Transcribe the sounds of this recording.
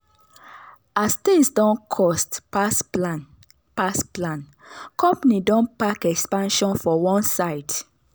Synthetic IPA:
ast̪ĩŋsdɔ̃nkʰɔstpaslan | pasplãn | kɔ̃mpanidɔ̃npakɛkspãnʃɔ̃nfɔwɔ̃nsaɪd̥

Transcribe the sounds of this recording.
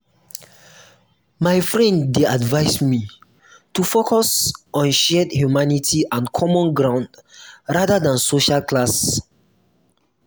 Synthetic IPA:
maɪfɹɛ̃ndːeadvaɪsmi | tufokʰɔsɔ̃nʃɛdhjumanitʰiʔãnkʰɔmɔ̃nɡɹãʊ̃ndɹadadãnsoʃalklas

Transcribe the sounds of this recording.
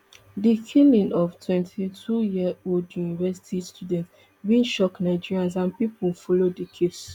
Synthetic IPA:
dikʰilĩnɔftʰwɛ̃ntʰitʰujiəoldjunivɛsi̥tʰistʰjudɛ̃nt | bĩnʃɔknaɪd͡ʒiɹiãns̬ãnpipulfɔlodikʰes

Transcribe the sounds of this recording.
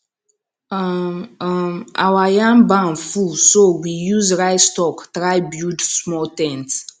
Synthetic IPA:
ma̰wajãmbãnfusowijuzɹaɪstɔktɾaɪbjudsmɔtɛ̃nt

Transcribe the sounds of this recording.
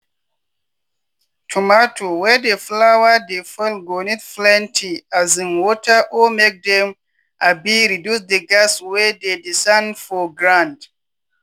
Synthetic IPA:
tʰumatʰowɛdeflawadefɛlɡonitflɛ̃ntʰiazĩnwɔtʰaʔɔmek̚d̪ɛ̃m | ʔabiɹidjusdeɡaswɛdedisãndfɔɡɹãnd

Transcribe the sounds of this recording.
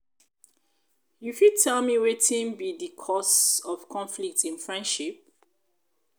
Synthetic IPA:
jufid̚tʰɛlmiwetʰĩnbidikʰɔsɔv̥kʰɔ̃nflik̚tĩnfɹɛ̃nʃip̚

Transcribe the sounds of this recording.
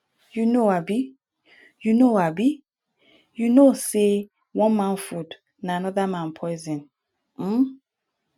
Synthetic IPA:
junoabi | junoabi | junose | wɔ̃nmãnfud | naanɔðamãnpʰɔɪzɛ̃n | m̩

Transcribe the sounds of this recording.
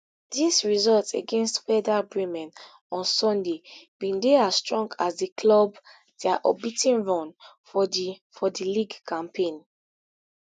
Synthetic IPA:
d̥isɹizɔltsḛɡɛ̃nstwɛdabɹĩmɛ̃n | ɔ̃nsɔ̃ndeb̥ĩndeastɹɔ̃ŋɡasdikʰlɔb | d̥ɛaʔɔbitĩnɹɔ̃n | fɔdiliɡkʰãmpʰẽn

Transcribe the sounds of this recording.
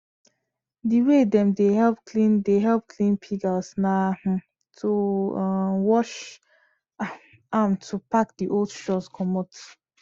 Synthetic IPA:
diwedɛ̃mdehɛlp̚klĩndeɦɛlp̚kʰlĩnpʰiɡasna | tʰu | wɔʃ | amtʰupak̚diʔoldʃɔskʰɔmɔt

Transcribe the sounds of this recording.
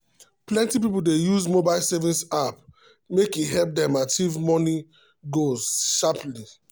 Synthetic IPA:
plɛ̃ntip̬ipuldejuzmobaɪlsɛvĩsap | mekiɦɛlp̚dɛmativmɔni | ɡozʃapli

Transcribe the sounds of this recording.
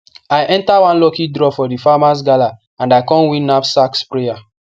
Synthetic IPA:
ajʔɛ̃ntawãnlɔkidɾɔfɔdifamas̬ɡala | ãndajkɔ̃nwĩnapsakspɹeja

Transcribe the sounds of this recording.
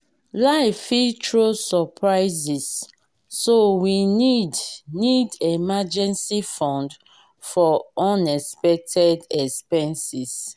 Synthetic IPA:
laɪfitʰɹosɔpʰɹaɪzisː | owinidnidemad͡ʒɛ̃nsifɔ̃nd | fɔɔ̃nɛspɛk̚tʰɛdɛkspɛ̃nsis

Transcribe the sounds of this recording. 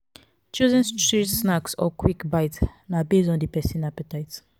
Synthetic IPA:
t͡ʃuzɛ̃nstɹitsnaksɔ̰kwikbajtnabezɔ̃ndipɛsĩnapətajt

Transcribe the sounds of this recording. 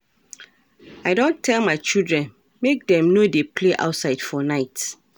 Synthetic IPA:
aɪdõntʰɛlmaɪt͡ʃildɹɛ̃n | mek̚dɛ̃mnodepʰleʔa̰ʊtsaɪd̥fɔnaɪt

